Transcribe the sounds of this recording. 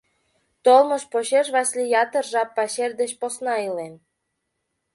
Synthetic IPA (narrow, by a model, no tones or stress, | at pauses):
t̪olmɤ̆ʃpoɕeʃβɑsʲlʲijɑt̪ə̆rʒɑpːɑɕerʲd̪eɕposnɑilem